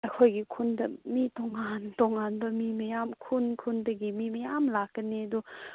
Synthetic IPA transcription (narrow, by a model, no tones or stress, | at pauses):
ɐjkʰojɡikʰundɐmitɔŋantɔŋanbɐmimɐjamkʰunkʰundɐɡimimɐjamlakːɐniɐdu